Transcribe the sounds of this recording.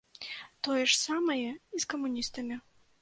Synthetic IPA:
t̪ɔjɛʂsamɐjɛiskɐmunʲist̪ɐmʲi

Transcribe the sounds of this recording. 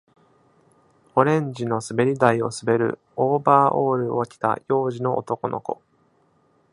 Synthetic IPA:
o̞ɾẽ̞ɲd͡ʑino̞sɨbe̞ɾʲid̪aio̞̰sɨbe̞ɾɯ̟̰ | oːbaːʔoːɾɯ̟o̞kʲi̥t̪a̰jo̞ːʑino̞ʔo̰t̪o̞ko̞no̞̰ko̞̰

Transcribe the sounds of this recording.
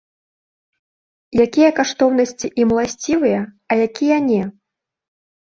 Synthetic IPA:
jakʲijɐkaʂt̪ɔwnɐsʲt͡sʲiʔimlˠasʲt͡sʲivɨjɐ | ɐjakʲijɐnʲɛ

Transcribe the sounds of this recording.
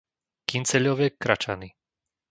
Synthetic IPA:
kint͡sɛʎɔʋɛːkɾat͡ʃa̰ni

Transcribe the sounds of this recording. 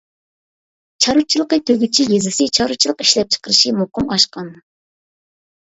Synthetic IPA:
t͡ʃʰɑɾut͡ʃʰilˠəqət̪ʰøɡʲyt͡ʃʰijezɪsɪt͡ʃʰɑɾut͡ʃʰilˠəqi̥ʃlɛp̚t͡ʃʰə̥qəɾɨʃimuqʊmɑʃqɑn

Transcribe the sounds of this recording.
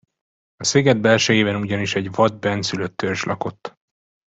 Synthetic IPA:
ɒseːɡɛd̪̚bɛlʃɛjeːbɛnuɟɒniʃɛɟvɒd̪̚bɛnsyløt̪ʰːørʃlʔɒ̰ko̞t̪ː

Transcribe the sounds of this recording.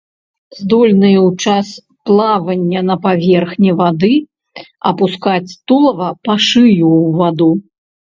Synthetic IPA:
zd̪ɔlʲnɨjɐwt͡ʂas | plˠavɐnʲːɐnɐpavʲɛrxnʲivad̪ɨ | ɐ̰puskat͡sʲt̪ulˠɐvɐpaʂɨjuvad̪u

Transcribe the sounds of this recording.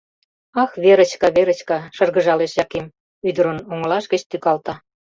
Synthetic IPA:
ɑxβeɾə̆t͡ɕkɑβeɾə̆t͡ɕkɑʃɤ̆rɣə̆ʒɑleʃjɑkem | yd̪əɾə̆noŋəlɑʃɡə̆t͡ɕt̪ykɑlt̪ɑ

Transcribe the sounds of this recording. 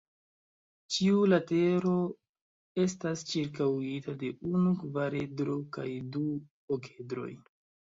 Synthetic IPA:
t͡ʃiulate̞ɾo̞ | e̞stast͡ʃiɾk̬awitade̞ʔunukvaɾedɾokajdu | oke̞dɾo̞̰j

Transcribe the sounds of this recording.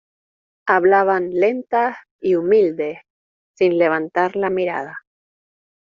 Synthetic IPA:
aβlaβanle̞nt̪a | iumild̪e | sinleβ̞ant̪aɾlamiɾa̰ða

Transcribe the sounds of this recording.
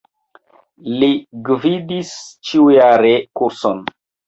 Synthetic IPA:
liɡvidist͡ʃiujaɾekuɾson

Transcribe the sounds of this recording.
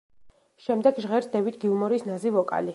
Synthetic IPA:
ʃɛmd̪ɛɡʒʁɛɾsd̪ɛvit̪ʰɡiumɔɾisnazivɔkʼa̰li

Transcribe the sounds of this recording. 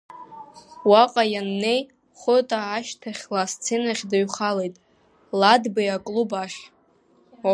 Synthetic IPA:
waqʼajanːe̞j | χʷʊtʼaːʃtʰaχʲlast͡sʰenaχʲdaɥχalejtʼ | ladbajakʼlubaχʲ

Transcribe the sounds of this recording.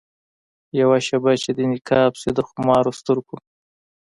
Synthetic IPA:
jawaʃabat͡ʃed̪inɪkʰɑpsed̪əxʊmɑːɾost̪ʊɾku

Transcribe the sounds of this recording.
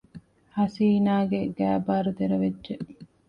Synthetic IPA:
hɐsiːnaːɡeɡæːbaːɾut̪eɾɐʋedːʒe

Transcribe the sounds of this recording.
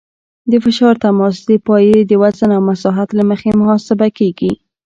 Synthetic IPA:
d̪əfɪʃɑɾt̪amɑs̬d̪əpɑjed̪əwazənawmasɑɦat̪laməxemʊhɑsɪbakeɡi

